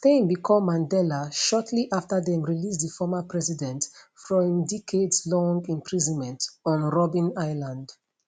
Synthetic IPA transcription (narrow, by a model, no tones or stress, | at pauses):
θẽmbikʰɔ̃mːãndɛlaʃɔtʰliʔaftəðɛ̃mɹilistðəfɔmapʰɹɛsidɛ̃ntfɹɔ̃ĩndikʰedslɔ̃ŋɡĩmpɹizɔ̃nmɛ̃ntɔ̃nɹɔbĩnaɪlãnd